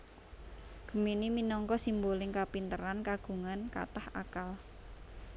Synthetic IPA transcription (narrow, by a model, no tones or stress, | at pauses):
ɡ̥ə̤miniminɔŋkɔsimbolɪŋkapint̪əɾankaɡ̥ṳŋanka̰t̪aha̰kal